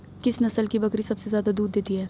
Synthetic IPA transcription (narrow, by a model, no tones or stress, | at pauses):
kɪsnɐsəlkibɐkɾisɐbsezjaːd̪ad̪uːd̪ːeːt̪iɦɛː